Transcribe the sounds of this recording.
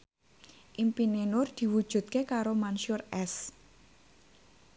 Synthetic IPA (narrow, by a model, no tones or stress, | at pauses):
ʔimpinenʊrd̪̥i̤wud̥ʒ̥ṳt̪̚kekaɾomanʃʊrɛs